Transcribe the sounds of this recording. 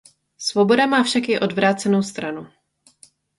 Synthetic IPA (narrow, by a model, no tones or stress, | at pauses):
svo̞bo̞damaːfʃakjɪʔo̞dvɾaːt͡sɛno̞wst̪ɾanu